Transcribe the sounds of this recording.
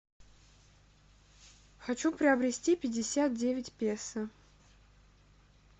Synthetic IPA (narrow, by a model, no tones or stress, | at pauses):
xɐt͡ɕupɾʲɪɐbɾʲɪsʲtʲipʲɪdʲɪsʲat̪̚dʲevʲɪtʲpʲesə